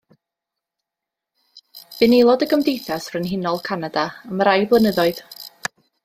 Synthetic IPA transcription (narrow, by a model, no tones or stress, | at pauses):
v̥ɨnejlˠɔdəɡəmdejθasrənɦɪnɔlˠkʰanadaəməɾajblˠənəðɔɨð